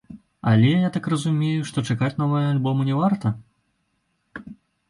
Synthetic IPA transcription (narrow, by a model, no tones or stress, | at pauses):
ɐlʲɛjat̪akrɐzumʲejuʂt̪ɔt͡ʂakat͡sʲnɔvɐjɐalʲbɔmunʲɛvart̪ɐ